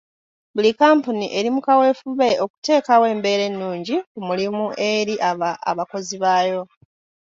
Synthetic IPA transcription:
bulikaːmpuniʔe̞ɾimukawe̞ːfuβe̞o̞ku̥te̞ːkawe̞ːmbe̞ːɾe̞nːuːɲɟikumulimuʔe̞ɾiʔaaa̰βako̞ziβaːjo̞

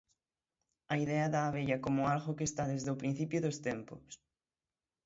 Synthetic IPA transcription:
ɐiðɛɐðaːβ̞eʎɐkomʊalɣokeːst̪aðezðeopɾĩn̟θipjʊðost̪ɛmpo̰s

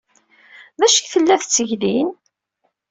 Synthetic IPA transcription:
ðæʃəçθəlːæθt͡sːəʝlin

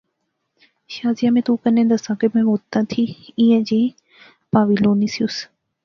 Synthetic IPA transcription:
ʃaːzijamẽt̪ukɐnẽd̪əsãːɡemẽʋoːt̪ːãt̪ʰiĩːə̃d͡ʑe | paːʋiloːnɪsijʊs

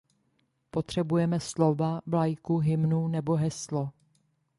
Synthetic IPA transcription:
po̞t̪r̝̥ɛbujɛmɛslo̞vablajkuɦɪmnunɛbo̞ɦɛslo

